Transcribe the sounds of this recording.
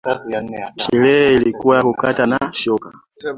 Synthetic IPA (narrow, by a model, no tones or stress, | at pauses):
ʃɛlɛɛilikuwaakukatanaʃɔka̰